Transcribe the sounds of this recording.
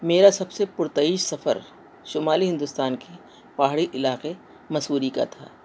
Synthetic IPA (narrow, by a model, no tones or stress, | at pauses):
meːɾasɐbsepʊɾt̪ɐiːʃsɐfə̰ɾ | ʃʊmaːliɦɪ̃nd̪ʊst̪aːnki | paːɦɽiʔɪlaːqe | mɐsuːɾika̰t̪ʰa̰ː